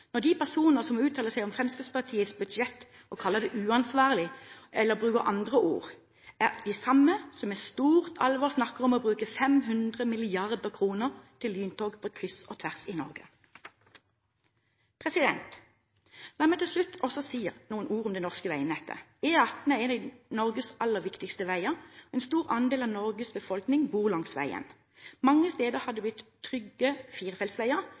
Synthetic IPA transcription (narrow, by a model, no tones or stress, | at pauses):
nɔʁd̪ipʰæʁsuːnəʁsɔmʉːt̪ʰɑːləsæɪɔmfʁɛmskʉspɑʁt̪ʰiːəsbʉd̪ʃɛt̪ | ʔɔkʰɑlːəd̪ɛʔʉːɑnsʋɑːʁəlɪʔɛlːəbʁʉːkəʁʔɑnd̪ʁəʔṵːʁ | æʁd̪ɪsɑmːəsɔmɛst̪uːʁt̪ʰɑlʋɑːʁsnɑkːəʁɔmoːbʁʉːkəfɛmɦʉnd̪ʁəmɪlɪɑʁd̪əʁkʰʁuːnəʁt̪ʰɪlːyːnt̪ʰoːɡpʰokʰʁʏsoːt̪ʰʋæʁsɪnɔ̰ʁɡə | pʰʁɛsɪd̪ɛnt̪ | lɑːmɛɪt̪ʰɪlʃlʉt̪ɔsɔsiːnuːənʔuːʁʊmd̪ɛnɔʁskəʋæɪəmnɛt̪ʰːə̰ | eːɑt̪nəenɪnɔʁɡəsʔɑlːəʁʋɪkt̪ɪkst̪əʋæɪəʁɔɛːnst̪uːʁɑnd̪eːlɑːʋnɔʁɡəsbəfɔlknɪŋbuːʁlɑŋsʋæ̰ɪə̰n | mɑŋːəst̪eːd̪əʁhɑd̪ːəb̪ʏt̪ʰːʁʏɡəfiːʁfɛlsʋæɪəʁ